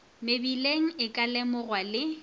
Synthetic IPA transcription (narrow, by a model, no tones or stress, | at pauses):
mɪbileŋ̩ɪkʼalɛmʊɣwalɪ